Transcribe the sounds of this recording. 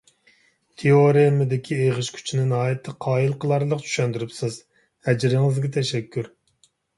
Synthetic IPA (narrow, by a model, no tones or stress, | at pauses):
t̪ʰeoɾemɪd̪ɪkʲʰieʁəʃkʲʰy̥t͡ʃʰinɪnɑːjɛt̪ʰːɨqʰɑːilˠqʰəlˠɑɾlˠəqt͡ʃʰy̥ʃɛnd̪yɾypsɨz | hɛd͡ʒɾɪŋɪzɡʲɛt̪ʰɛʃɛkʲʰːyɾ